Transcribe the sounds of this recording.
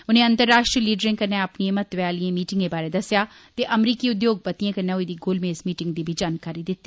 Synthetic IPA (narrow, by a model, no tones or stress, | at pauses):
ʊnẽɐ̃nt̪əɾːaːʃʈɾiliːɖɾɪ̃ŋɡkɐɾneɐpniẽmɐt̪ʋaːliẽmiːʈɪ̃ŋɡebaːɾed̪ɐsja | t̪eʔɐmɾiːkiʊd̪joːɡ̚pɐt̪ijãkɐnɐɦoid̪iɡoːlmẽɪsmiːʈɪ̃ŋɡ̚d̪ibʱid͡ʒaːnkaːɾid̪ɪt̪ːiː